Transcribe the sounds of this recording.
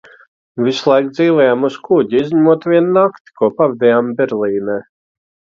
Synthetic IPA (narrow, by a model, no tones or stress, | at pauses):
vislˠajk̚d̪ziːlɛjaːmuskuɟʲiizʲɲʲamuɔt̪vʲiɛnnakt̪i̥kuɔpavɛd̪ʲɛjambʲɛɾlʲˠiːnɛː